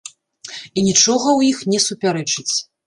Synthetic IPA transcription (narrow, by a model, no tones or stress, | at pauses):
inʲit͡ʂɔɣɐwjixnʲɛsupʲaɾɛt͡ʂɨt͡sʲ